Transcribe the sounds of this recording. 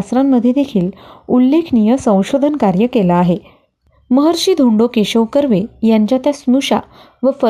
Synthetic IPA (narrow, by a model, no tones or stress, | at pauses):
asɾamːəd̪ʱjed̪ekʰiːlulːekʰnijəsə̃w̃ɕod̪ʱənkaɾjəkelaːɦe | məɦəɾɕiːd̪ʱuɳɖokeɕəwkəɾʋejaɲt͡ɕjat̪jasnuɕa̰ | ʋəfə